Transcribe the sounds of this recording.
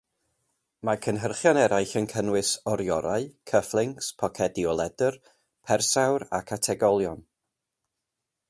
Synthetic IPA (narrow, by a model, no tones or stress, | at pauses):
makʰənɦərχjɔnɛɾajɬənkʰənwɪsɔɾjɔɾaɨkʰəflˠɪŋkspʰɔkʰɛdiɔlˠɛdər | pʰɛrsawɾa̰kʰatʰɛɡɔlˠjɔn